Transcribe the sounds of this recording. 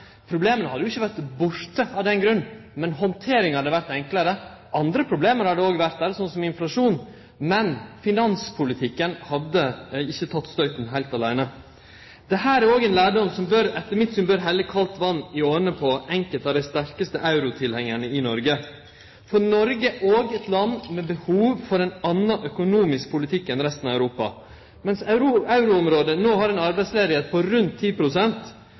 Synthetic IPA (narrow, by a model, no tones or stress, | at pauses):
pʰɾʊbleːmənəhɑd̪əjʊɪçːəʋæɾt̪bʊɾt̪əɑʋd̪ɛnɡɾʉnːmɛnhɔnt̪ʰeːɾɪŋhɑɾd̪əʋæɾt̪ɛŋkləɾə | ʔɑnd̪ɾəpʰɾʊbleːməɾhɑɖəoːɡʋæɾt̪̚d̪æːɾəsɔnsɔmɪnflɑʂuːn | mɛnfɪnɑnspʰʊlɪt̪ʰɪkːənhɑd̪əɪçːət̪ʰɑt̪ːst̪œʏt̪n̩ɦæɪlt̪ɑlæɪnə | d̪̥ɛɦæːɾæɾoːɡɛːnlæːɖɔmsɔmbøːɾɛt̪ːəɾmɪt̪ːsʏmbøːɾɦɛlːəkʰɑlt̪ʋɑnːɪoːnəpʰɔɛŋkəlt̪ɑʋd̪æɪst̪æɾkəst̪əʔɑʉɾʊt̪ʰɪlhɛŋːəɳəɪnɔɾɡə | fɔnɔɾɡəʔoːɡɛt̪lɑnːmɛbəhuːʋfɔɾɛnɑnːɑʔœkʊnuːmɪsk̚pʰʊlɪt̪ʰɪkːɛnɾɛst̪n̩ɑʋæʉɾuːpɑ̰ | mɛnsɾɑʉɾʊɔmɾoːd̪ənoːɦɑɾɛnɑɾbæɪsleːd̪ɪheːt̪̚pʰɔɾʉnt̪ʰːiːpʰɾʊsɛnt̪